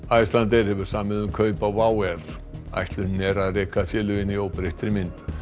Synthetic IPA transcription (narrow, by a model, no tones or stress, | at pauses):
ajst̪lant̪ɪɾ̥hɛvʏɾ̥saːmɪðʏmkʰœɥpavaːwɛr̥ | a̰jht̪lʏnɛɾaðrɛːkafjɛːlʏɪnːiowpɾejht̪ɾɪmɪnt̪